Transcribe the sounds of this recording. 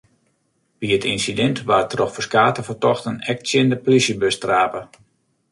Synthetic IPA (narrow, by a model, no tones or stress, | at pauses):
b̥iətinsidɛntʋarətroxfəskaːtəfətɔxtənɛk̚sjɪndəplisjəbøstraːpə